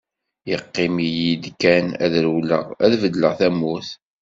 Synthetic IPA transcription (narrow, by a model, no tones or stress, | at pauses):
jəqːɪmijid̪kænæ̰ðɾwlə̰ʁæðvəd̪ləʁθæmːuθ